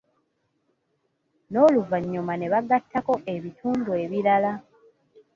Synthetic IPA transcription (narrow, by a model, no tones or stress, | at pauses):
no̞ːluvaɲːumane̞βaɡatːako̞ʔe̞βitʰuːndue̞βiɾala